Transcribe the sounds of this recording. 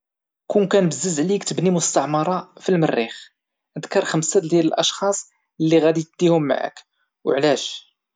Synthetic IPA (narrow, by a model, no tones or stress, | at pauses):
kunkænbəzːəzʕlikt̪əbnimʊst̪ɑʕmɑɾˤɑfilmərːix | əd̪kɑɾˤxəmsæld̪jæləlʔɑʃxɑsˤ | lːiɣæd̪it̪̚d̪̥ihʊmːa̰ʕa̰k | wʕlæʃ